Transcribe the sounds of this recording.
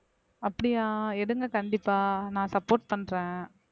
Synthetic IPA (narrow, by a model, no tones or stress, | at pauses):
ɐpːɐɽɪjaːɛɽɯŋɡɐkɐɳɖɪpːaːnãːsɐpːoːʈ̚pɐɳːɾẽː